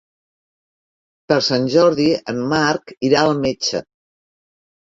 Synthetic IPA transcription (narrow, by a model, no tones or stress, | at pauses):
pəɾsanʲʒɔɾðiəmːaɾkiɾaəlˠmet͡ʃə̰